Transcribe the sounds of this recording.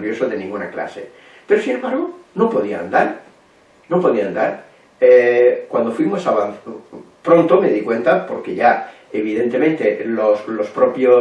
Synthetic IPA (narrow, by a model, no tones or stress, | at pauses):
βjo̞soðe̞nĩŋɡunakla̰se̞̰ | pe̞ɾosinembaɾɣ̞onopo̞ðia̰nd̪aɾ | nopo̞ðiand̪aɾ | ekwand̪o̞fwimo̞saβan | pɾo̞nt̪o̞me̞ðikwe̞nt̪apo̞ɾke̞ʎa | eβ̞iðe̞nt̪e̞mẽ̞nt̪e̞loslo̞spɾo̞pjo